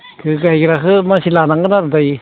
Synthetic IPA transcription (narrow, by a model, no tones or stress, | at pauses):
kʰɯɡajɡɯɾaɦɯmasilanaŋɡɯnaɾɯdaj